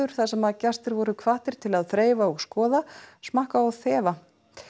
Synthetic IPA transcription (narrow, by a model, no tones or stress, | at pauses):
ʏɾ̥θasɛmaðcast̪ɪɾvɔɾʏkʰvaːht̪ɪɾ̥t̪ʰɪlaðθɾeːjvaɔɣskɔːðasmahkaaðθɛːva